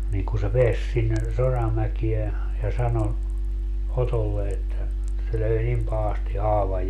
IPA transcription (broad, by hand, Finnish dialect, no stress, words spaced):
niːŋ ku se peæs sinːe sorɑmækie jɑ sɑno otolːe etːæ se løi nim pɑhɑsti hɑːʋɑj